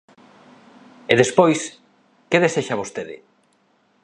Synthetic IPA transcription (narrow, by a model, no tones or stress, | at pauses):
eðespojs | keðeseʃaβ̞ost̪eðɪ̰